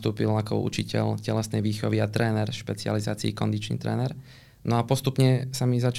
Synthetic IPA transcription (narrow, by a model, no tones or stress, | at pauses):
t̪uːpilakɔ̰ṵt͡ʃicɛ̰ʎcɛlɛsnɛjʋiːxɔʋiat̪ɾɛːnɛɾʃpɛt͡sializaːt͡siikɔnd̪it͡ʃnḭːt̪ɾɛ̰ːnɛɾ | nɔapɔst̪upɲɛsamizat͡ʃ